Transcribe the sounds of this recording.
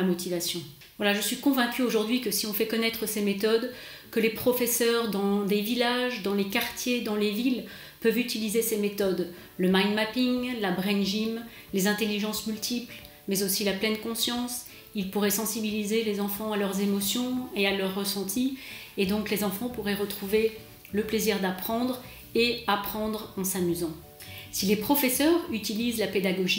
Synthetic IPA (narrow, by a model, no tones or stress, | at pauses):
amɔt̪ʰivasjɔ̃ | vwalaʒəsɥikɔ̃vɛ̃kʲyoʒuʁd̪ɥikəsiɔ̃fɛkɔnɛt̪χəsemet̪ɔd̪ | kəlepχɔfɛsœʁd̪ɑ̃d̪evilaʒd̪ɑ̃lekaʁt̪jed̪ɑ̃levil | pœvyt̪ilizesemet̪ɔd̪ | ləmajnmapiŋlabʁɛnʒim | lezɛ̃t̪eliʒɑ̃smylt̪ʰipl | mɛzosilaplɛnkɔ̃sjɑ̃s | ilpuʁɛsɑ̃sibilizelezɑ̃fɑ̃alœʁzemɔsjɔ̃ealœʁːəsɑ̃t̪ʰied̪ɔ̃klezɑ̃fɑ̃puʁɛʁət̪χuve | ləpleziʁd̪apχɑ̃d̪ʁ | eapχɑ̃d̪ʁɑ̃samyzɑ̃ | silepχɔfɛsœʁyt̪ilizlaped̪aɡɔʒi